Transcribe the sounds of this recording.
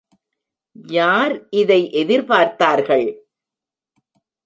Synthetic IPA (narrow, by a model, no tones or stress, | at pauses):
jaːɾʔɪðɐɪʔɛðɪɾpaːɾt̪aːɾɣɐɭ